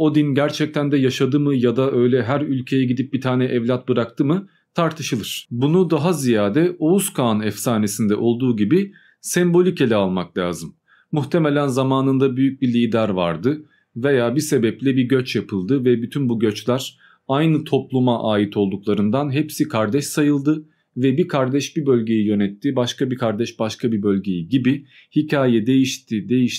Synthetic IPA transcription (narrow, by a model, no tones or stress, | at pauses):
o̞d̪inɟæɾt͡ʃʰɛc̚t̪ʰænd̪ɛjaʃad̪ɯmɯjad̪aʔø̞jlʲɛɦæɾylʲcʰe̞jɛɟid̪ip̚bit̪ʰaːnɛʔɛvlʲat̪̚bɯɾakt̪ʰɯmɯ | t̪ʰaɾt̪ʰɯʃɯlˠɯɾ̥bunud̪aɦazijaːd̪ɛo̞uskʰanɛfsaːnesind̪ɛʔo̞lˠd̪uːɟibi | sɛmbo̞lʲicelʲɛalˠmaklʲa̰ːzɯmː | uxt̪ʰe̞melʲænzamaːnɯnd̪abyjyc̚bilʲiːd̪æɾva̰ɾd̪ɯ | ve̞jaːbise̞bɛplʲɛbiɟøt͡ʃjapʰɯlˠd̪ɯvɛbyt̪ʰynbuɟø̞t͡ʃlʲæɾ̥ | ajnɯt̪ʰo̞plˠumaʔaːjit̪ʰo̞lˠd̪uklˠaɾɯnd̪anɦɛpsikʰaɾd̪ɛʃsajɯlˠd̪ɯ | vɛbikʰaɾd̪ɛʃbibø̞lʲɟe̞jijø̞nɛt̪ʰːibaʃkabikʰaɾd̪ɛʃbaʃkʰabibølʲɟe̞jiɟibi | hicʰaːjɛd̪e̞jiʃt̪ʰid̪e̞jiʃ